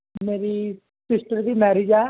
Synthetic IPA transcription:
meːɾi | sɪsʈəɾd̪imɛːɾid͡ʒaː

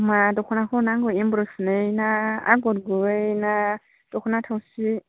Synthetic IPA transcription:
matɔkʰɔnakʰɔnaŋɡɔimbɾosneinaa̰ɡodɡuweina | tɔkʰunatʰausi

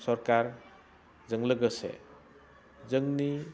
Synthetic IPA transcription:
sɔɾkaɾ | zəŋləɡəsḛ | zəŋni

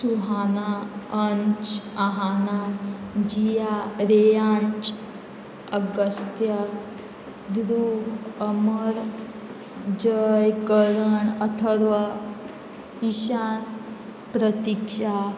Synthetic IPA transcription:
suɦanaəɲt͡ʃaɦanad͡ʑijaɾejant͡ʃ | əɡəst̪ja | d̪ɾuɦəməɾ | d͡ʑəjkəɾəɳət̪ʰəɾʋa | iɕan | pɾət̪ikʂa

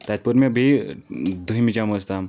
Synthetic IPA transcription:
t̪at̪̚pəɾmibʱi | d̪ʱuɦimid͡ʑaməst̪am

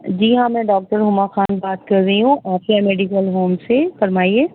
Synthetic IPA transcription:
d͡ʒiɦãmɛ̃ɖɔːk̚ʈəɾɦʊmaxaːnbaːt̪kɐɾɾɐiɦũʔaːfiameːɖikəlɦoːmsefɐɾmaːieː

